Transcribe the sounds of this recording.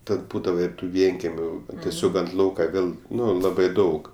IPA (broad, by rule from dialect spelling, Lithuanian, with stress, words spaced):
ˈtɐt ˈbuːdɐʋɐ ɪr ˈtuː ˈʋʲiɛŋʲkʲɛmʲʊ tʲiɛˈsʲoːk ɐnt ˈlˠɐʊkɐ ˈʋʲeːlˠ ˈnʊ ˈlˠɑːbɐɪ ˈdɐʊk